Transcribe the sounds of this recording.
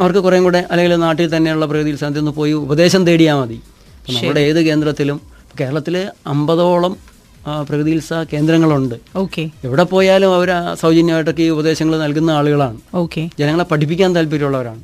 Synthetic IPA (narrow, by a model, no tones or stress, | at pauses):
ɐʋɐrkɨkurɐjŋkuːɽeʔɐlːeɡilnaːʈːilt̪ɐnːe̞juɭːɐprɐɣɨðijilsad̪jonːɨpo̞ːjiubɐðe̞ːɕɐmt̪e̞ːɽijaːmɐði | pːoːnɐmːɐɭɨɽeeːðɨke̞ːnd̪rɐt̪ːilumː | ke̞ːɾɐɭɐt̪ːilɐmbɐðo̞ːɭɐm | prɐɣðilsɐke̞ːnd̪ɾɐŋːɐɭuɳɖɨoːkeeʋiɽe̞po̞ːjaːlumɐʋɐɾsɐwd͡ʑɐnjɐmaːjiʈːo̞k̬ːeubɐðe̞ːɕɐŋːɐɭnɐlkunːɐaːɭuɣɐɭaːɳɨoːked͡ʑenɐŋːɐɭepɐʈʰip̬ːikʲːaːnt̪ɐlp̬iɾuɭːɐʋɐɾa̰ːɳɨ